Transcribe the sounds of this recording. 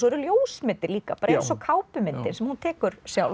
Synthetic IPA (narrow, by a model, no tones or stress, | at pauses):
sɔɛɾʏljoːwsmɪnt̪ːɪɾliːka̰paːɾaɛsɔkʰaːwpʏmɪnt̪ɪnsɛmhunt̪ʰɛːkʏɾsjaw